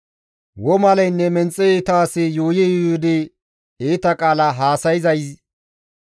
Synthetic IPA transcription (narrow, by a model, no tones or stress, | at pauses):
wɔmɐlɐjnːɛmɛnt͡sʼːɛːt̪aːsɛjoːjɛjod̪e | eːt̪ɐkʼaːlɐɦaːsɐjɪzɐjs